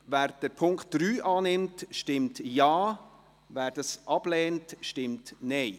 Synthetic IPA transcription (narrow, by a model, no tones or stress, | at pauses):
væːɾd̥əɾpʰʊŋkt̚d̥ɾyːʔɑːnɪmtʃtɪmtjaː | væːɾd̥ɑsʔɑb̥lɛːntʃtɪmtnɛɪ